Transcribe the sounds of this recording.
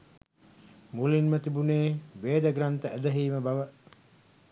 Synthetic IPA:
mulinmət̪ibuneːʋeːd̪əɡɾant̪əæd̪ɐɦiːməbaʋə

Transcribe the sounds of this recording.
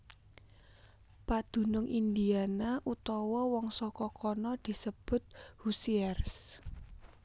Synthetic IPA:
pad̪̥ṳnʊŋʔind̪ianaʔut̪ɔwɔwɔŋsɔkɔkʰɔnɔd̪̥i̤səb̥ʊ̤t̪̚husiɛrs

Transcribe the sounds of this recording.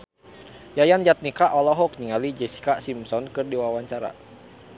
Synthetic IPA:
jajand͡ʒat̪̚nikaʔɔlɔɦɔk̚ɲiŋalid͡ʒɛsi̥kasimsɔnkɨrdiwawaɲt͡ʃaɾa̰

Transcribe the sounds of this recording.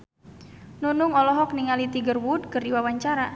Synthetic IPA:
nunʊŋɔlɔɦɔkniŋalit̪iɡərwud̚kɨrdiwawaɲt͡ʃaɾa

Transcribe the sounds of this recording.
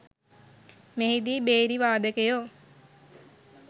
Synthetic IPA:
meɦid̪iːbeːɾiʋaːd̪əkejo

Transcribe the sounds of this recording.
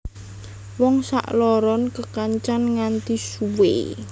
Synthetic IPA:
wɔŋsa̰ʔlɔɾɔnkəkaɲt͡ʃanŋant̪isuwḛ

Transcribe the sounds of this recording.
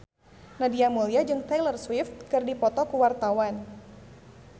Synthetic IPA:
nadiamoliad͡ʒɨŋt̪ɛlərswɪft̪̚kɨrdipɔt̪ɔkuwart̪awan

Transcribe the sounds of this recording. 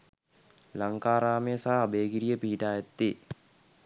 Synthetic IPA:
laŋkaːɾaːmejəsaɦːbeːɡiɾijəpiɦiʈaːjat̪ːi

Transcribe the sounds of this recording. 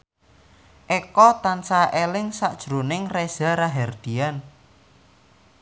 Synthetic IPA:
ʔɛkɔt̪ansaʔelɪŋsaʔd̥ʒ̥ɾunɪŋrez̥a̤ɾaɦɛrd̪̥ian

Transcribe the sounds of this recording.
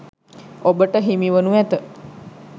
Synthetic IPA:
obəʈəɦimiʋənuʋæt̪ə

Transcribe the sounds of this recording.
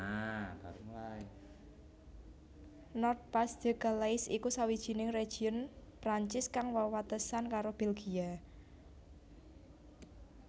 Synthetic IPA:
nɔrt̪̚pasd̪̥ə̤ɡ̥alaɪsikusawid̥ʒ̥i̤nɪŋre̥ʒ̥iʊnpɾaɲt͡ʃɪskaŋwawat̪əsankaɾob̥elɡ̥ia

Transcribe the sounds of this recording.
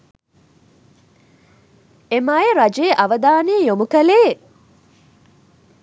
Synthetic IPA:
emajeɾɐd͡ʒeːʔɐʋəd̪aːneːjomukɐleː

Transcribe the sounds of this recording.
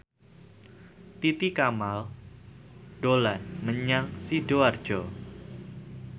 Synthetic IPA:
t̪it̪ikamal | ɖ̥olanməɲaŋsiɖoard̥ʒ̥ɔ

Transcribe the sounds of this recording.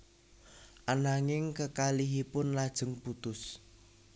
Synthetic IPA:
ʔanaŋɪŋkəkaliɦipʊnlad̥ʒ̥ə̤ŋput̪ʊs

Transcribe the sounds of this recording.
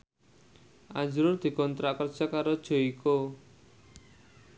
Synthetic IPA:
ad͡ʒɾʊrd̪i̤kɔnt̪ɾaʔkərt͡ʃakaɾɔd͡ʒoiko

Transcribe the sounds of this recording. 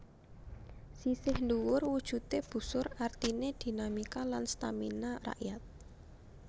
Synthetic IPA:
sisɪhnduwʊrwud̥ʒ̥ṳt̪eb̥ṳsʊrart̪ined̪̥i̤namikalanst̪aminara̰ʔjat̪̚

